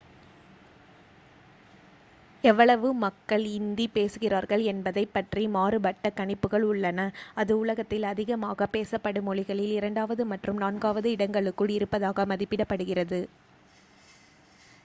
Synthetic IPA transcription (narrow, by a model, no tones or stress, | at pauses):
ɛʋːɐɭɐʋɯmɐkːɐɭɪnd̪ipeːsɯɣɪraːɾɣɐɭɛnbɐðɐɪpːɐʈrimaːrɯbɐʈːɐkɐɳɪpːɯɣɐɭʊɭːɐnɐɐðɯʊɭɐɣɐt̪ːɪlɐðɪɣɐmaːɣɐpeːsɐpːɐɽɯmɔɭɪɣɐɭɪlɪɾɐɳɖaːʋɐðɯmɐʈrɯmnaːnɡaːʋɐðɯɪɽɐŋɡɐɭɯkːɯɭɪɾɯpːɐðaːɣɐmɐðɪpːɪɽɐpːɐɽɯɣɪrɐðɯ